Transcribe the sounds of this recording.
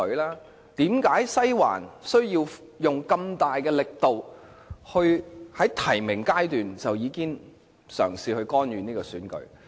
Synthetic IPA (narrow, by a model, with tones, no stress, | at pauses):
laː˥ | t̪iː˨˥mkaː˨˥jsɐ˥jwa̰ː˨˩nsɵ˥ɥjiː˧w | jʊ˨ŋkɐ˧mt̪aː˨jkɛː˧lɪ˨k̚t̪o˨w | hɵ˧ɥhɐ˨˥jt̪ʰɐ˨˩jmɪ˨˩ŋkaː˥jt̪yː˨nt͡sɐ˨wjiː˨˧kɪ˥ŋ | sœ̰ː˨˩ŋsiː˨˧hɵ˧ɥkɔː˥njyː˨˧niː˥kɔː˧syː˨˥nkɵ̰˨˥